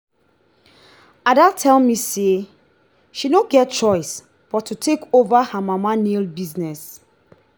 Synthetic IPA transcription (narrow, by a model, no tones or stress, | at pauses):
adatʰɛlmise | ʃinõɡɛt̚t͡ʃɔɪs | b̥ɔtʰːutʰekovahamamanelbiznɛs